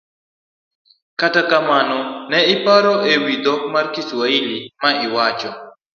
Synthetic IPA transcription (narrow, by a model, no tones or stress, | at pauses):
katakamanɔnɛɪpaɾɔʔewid̪ɔk̚markiswailimaɪwat͡ʃɔ